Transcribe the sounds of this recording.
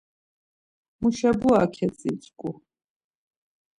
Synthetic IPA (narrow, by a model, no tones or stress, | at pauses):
muʃɛbuakʰɛt͡sʼit͡sʼkʼu